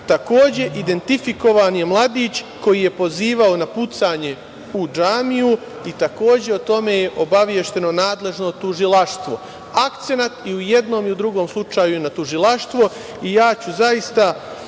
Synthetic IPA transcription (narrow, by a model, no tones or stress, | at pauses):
t̪ako̞ːd͡ʑe̞ʔid̪e̞nt̪ifiko̞ʋaːnjemlˠad̪iːt͡ɕ | ko̞jije̞po̞ziːʋao̞naput̪saːɲe̞ | ud͡ʒaːmiju | it̪ako̞ːd͡ʑe̞ot̪o̞me̞ːjeʔo̞baʋje̞ʃt̪e̞no̞naːd̪le̞ʒno̞t̪uʒilˠaʃt̪ʋo̞ | akt̪se̞nat̪iuje̞d̪no̞ːmiud̪ɾuɡo̞ːmslˠut͡ʃaːjujenat̪uʒilˠaʃt̪ʋo̞ | ijaːt͡ɕuzaist̪a